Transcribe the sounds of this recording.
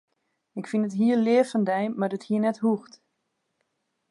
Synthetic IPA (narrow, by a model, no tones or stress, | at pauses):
ɪkfinətɦiəlɪəfəndɛjmardəthiənɛthuxt